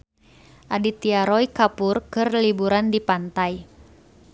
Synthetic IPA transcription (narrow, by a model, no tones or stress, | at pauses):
ʔadit̪iaɾɔjkapurkɨrlibuɾandipant̪aj